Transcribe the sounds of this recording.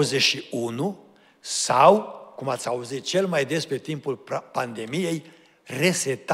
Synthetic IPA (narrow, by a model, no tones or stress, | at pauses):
zeʃiunu | sawkumat̪sʲauzit̪̚t͡ʃe̞lmajd̪e̞spɾet̪impulpand̪e̞mije̞j | re̞set̪a